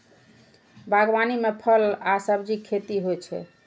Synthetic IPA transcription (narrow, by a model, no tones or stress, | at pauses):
bʱaɡbanimepʰəlasəbd͡ʒikʰːet̪iɦojt͡ʃʰɛ̰